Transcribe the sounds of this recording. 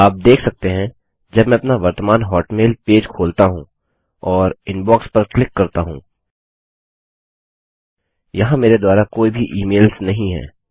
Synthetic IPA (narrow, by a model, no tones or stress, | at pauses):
aːp̚d̪eːkʰsɐk̚t̪eɦɛ̃ | d͡ʒɐbmɛ̃ɐpnaʋɐɾt̪əmaːnɦɔːʈmeːlpeːd͡ʒkʰoːlt̪aɦũ | ɔːɾɪ̃nbɔːkspɐɾklɪkːɐɾt̪aɦṵ̃ː | jɐɦãmeːɾed̪waːɾakoːibʱiʔiːmeːlsnɐɦĩɦɛ̰ː